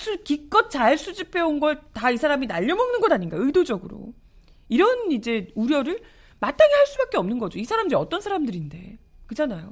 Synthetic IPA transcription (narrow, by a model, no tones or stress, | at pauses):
sʰɯɭkik͈ʌt̚t͡ɕaɭs͈ud͡ʑipʰe̞onɡʌɭtaisʰaɾaminaʎːʌmʌŋnɯnɡʌdaɲinɡaɯjdod͡ʑʌɡɯɾo̰ | iɾʌnid͡ʑe̞uɾjʌɾɯɭ | mat̚t͈aɡeɦaɭs͈ubak͈eʌmnɯnɡʌd͡ʑoisʰaɾamdɯɾiʌt͈ʌnsʰaɾamdɯɾinde̞̰kɯd͡ʑanajo